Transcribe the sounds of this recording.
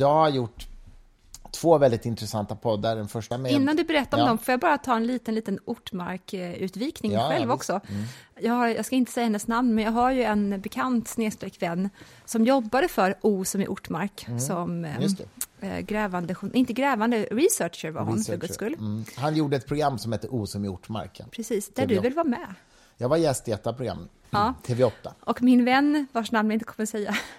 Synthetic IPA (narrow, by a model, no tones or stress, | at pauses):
jɑːɡhaɾjʊʈː | t̪ʰv̥oːvɛld̪ɪt̪ɪnt̪ɾɛsant̪apʰɔd̪ːaɖɛnfœʂʈamɪnːand̪ɵbɛɾɛt̪ːaɾɔmd̪ɔmfœɾjɑɡbɑːɾat̪ʰɑːɾɛnliːt̪ənliːt̪ənʊʈːma̰ɾkʉ̟ːt̪viːknɪŋɧɛlvɔksɔjɑːɡhaɾjɑːɡskaɪnt̪ə̥sɛjːahɛnːəsnamnmɛnjɑːɡɦaɾjɵɛnbɛkʰant̪sneːst̪ɾɛkːvɛnː | sɔmjɔbːad̪əfœɾuːsɔmɪ̰ʔʊʈːmaɾkssɔmjt̪ɛ̰ɡɾɛːvand̪əɧʊnʔɪnt̪əɡɾɛːvand̪əɾɪsœːʂəɾva̰ɾhʊ̰nfœɾɡɵskɵlːhanjuːɖəɛt̪̚pʰɾʊɡɾamːsɔmhɛt̪ːəʔuːsɔmɪʊ̰ʈːma̰ɾkpʰɾɛsiːsd̪̥æɖɵvɪlvɑːmɛ | jɑːɡvaɾjɛst̪ɪɛt̪ːapɾʊɡɾa̰mː | ɑːt̪ʰeːvɛɔt̪ːaʔɔkmɪnvɛnːvaʂnamnnɪnt̪əkʰɔməɾsɛjːa